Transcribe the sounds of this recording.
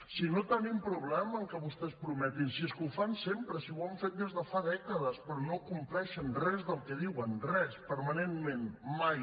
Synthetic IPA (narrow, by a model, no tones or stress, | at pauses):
sinot̪ənimpɾuβlɛməːŋkəβust̪ɛspɾumɛt̪insiəskuwfansempɾəsiwaɱfet̪̚d̪ezðəfaðɛkəðəspɾɔnokumplɛʃənrɛzðəlˠkɛðiwənrɛspəɾmənenmenmaj